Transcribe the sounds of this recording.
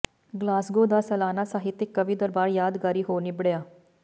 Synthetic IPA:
ɡlaːsɡod̪asɐlaːnasaːɦit̪ːɪkːəʋiːd̪əɾbaːɾjaːd̪ɡaːɾiːɦonibɽjaː

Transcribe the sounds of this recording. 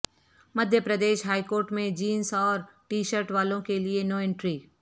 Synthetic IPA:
mɐd̪ʱjəpɾɐd̪eːʃɦaːikoːɾʈmẽd͡ʒiːnsɔːɾʈiːʃəɾʈʋaːlõkelienoːɪ̃ɳʈɾiː

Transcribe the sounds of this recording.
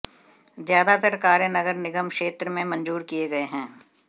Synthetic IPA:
zjaːd̪at̪əɾkaːɾjənɐɡəɾnɪɡəmʃeːt̪ɾəmẽmɐ̃nd͡ʒuːɾkijeɡɐeɦɛ̃ː

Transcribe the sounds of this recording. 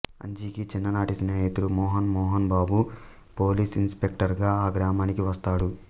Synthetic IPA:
ɐ̰ɲd͡ʒiːkit͡ʃinːɐnaːʈisneːjt̪uɽumɔːɦɐnmɔːɦɐnbaːbu | poːliːsinspe̞k̚ʈɐɾɡaːaːɡɾaːmaːnikiʋɐst̪aːɽu

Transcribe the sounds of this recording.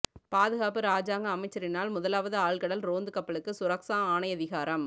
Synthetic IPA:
paːðɯɣaːpɯɾaːd͡ʒaːŋɡɐːmɐɪt͡ʃːɐɾɪnaːlmʊðɐlaːʋɐðɯaːɭkɐɽɐlɾoːnd̪ɯkɐpːɐɭɯkːɯsʊɾɐksãːaːnɐjɐðɪɣaːɾɐm

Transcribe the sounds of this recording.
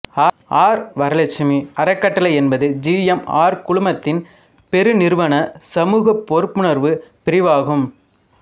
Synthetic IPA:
aː | aːɾʋɐɾɐlɐt͡ʃːɪmiɐɾɐkːɐʈːɐlɐɪɛnbɐðɯd͡ʒijɛma̰ːɾkʊɭʊmɐt̪ːɪn | pɛɾɯnɪɾɯʋɐnɐsɐmuːɣɐpːɔɾɯpːɯɳɐɾʋɯpɪɾɪʋaːɣɯm

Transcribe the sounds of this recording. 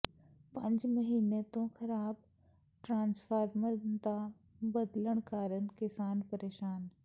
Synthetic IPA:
pɐ̃ɲd͡ʑmɐɦiːnet̪õxɐɾaːb | ʈɾãːnsfaːɾməɾt̪ã | bɐd̪ləɽ̃kaːɾənɪ̆kɪsaːnpɐɾeːʃaːn

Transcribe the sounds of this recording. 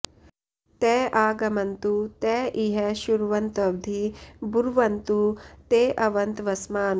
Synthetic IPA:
t̪ɛːʔaːɡɐmɐnt̪ut̪ɛːʔiɦɐʃuɾʋɐnt̪ɐbd̪ʱibuɾʋɐnt̪ut̪eːʔɐʋɐnt̪ʋɐsmaːn

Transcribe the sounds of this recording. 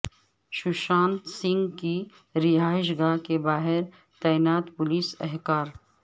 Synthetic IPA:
ʃʊʃaːnsɪ̃ŋɡki | ɾɪɦaːɪʃ̬ɡaːkebaːɦɪɾ | t̪aːɪnaːt̪pʊliːsɛɦkaːɾ

